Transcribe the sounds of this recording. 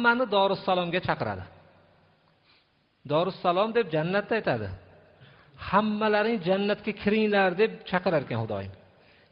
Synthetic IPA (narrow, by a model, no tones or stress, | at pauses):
mːanɪd̪ɒɾʊsːalˠɒmɡʲat͡ʃʰɑqɨɾa̰d̪ɪ | d̪ɒɾɪsːalˠɒmd̪e̞p̚d͡ʒanːat̪ːajt̪ʰad̪ɪ̰ | hamːalaɾɪŋd͡ʒanːat̪kʲakʲʰɪɾɪŋlaɾd̪e̞p̚t͡ʃʰɑqɨɾaɾkʲanhʊd̪ɒ̰jɪ̰m